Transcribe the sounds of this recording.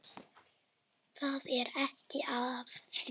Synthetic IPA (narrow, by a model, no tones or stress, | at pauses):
θaːðɛɾɛhcɪʔavθ